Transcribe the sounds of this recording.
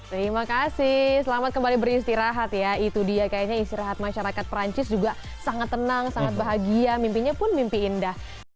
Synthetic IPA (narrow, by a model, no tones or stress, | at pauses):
t̪əɾimakasɪhsəlamat̪̚kəmbalibəɾist̪iɾaɦat̪jait̪udiakajaɲaist̪iɾaɦat̪̚maʃaɾakat̪̚pəɾaɲt͡ʃɪsd͡ʒuɡa | saŋat̪ːənaŋsaŋat̪̚baɦaɡiamimpiɲapʊnmimpiːndah